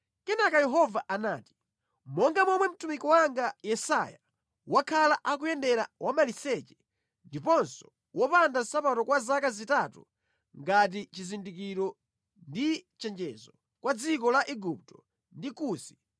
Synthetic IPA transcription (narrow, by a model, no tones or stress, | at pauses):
kɛnakajɛɦɔvaʔanaːti̥ | mɔŋɡamɔmwɛm̩tumikɔwaŋɡajɛsa̰ja | wakʰalaʔakujɛndɛɾawʔamalisɛt͡ʃɛ̥ | ndipɔnsɔ̥ | wɔpandasapatɔkwazakazitatṵ | ŋɡat̬it͡ʃizindikiɾɔ | ndit͡ʃɛnd͡ʒɛzɔ | kwad͡zikɔlaʔiɡup̚tɔ | ndikuːsi̥